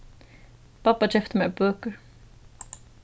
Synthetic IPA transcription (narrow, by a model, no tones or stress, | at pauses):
pʰapːat͡ʃɛft̪əmɛbœːkəɹ